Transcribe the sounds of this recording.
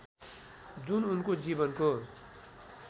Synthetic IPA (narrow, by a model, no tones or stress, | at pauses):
d͡zununkod͡zibʌnko